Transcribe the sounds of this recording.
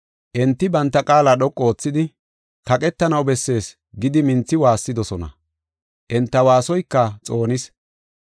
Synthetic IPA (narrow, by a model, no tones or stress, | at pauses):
ʔɛnt̪ːɪbɐnt̪ːɐkʼaːlaɗɔkʼːo̞ːt͡sːɪd̪ɪ | kɐkʼɛt̪ːɐnɐwbɛsːe̞ːs | ɡɪd̪ɪmɪnt͡sːɪwaːsːɪd̪ɔsɔnɐ̰ | ʔɛnt̪ːɐwaːsɔjkːɐt͡sʼo̞ːnɪs